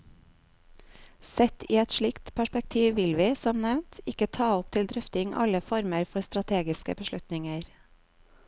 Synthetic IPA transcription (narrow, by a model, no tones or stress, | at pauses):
sɛt̪ʰiːɛt̪ʃɭɪkt̪pʰæʃpɛk̚t̪ʰiːʋʋɪlʋiːsɔmnɛʋnt̪ɪkət̪ʰɑːɔp̚t̪ʰɪld̪ɾʏft̪ɪŋʔɑ̰ləfɔɾməɾfɔɾst̪ɾɑt̪ʰeːɡɪskə̰bəʃlʉt̪nɪŋəɾ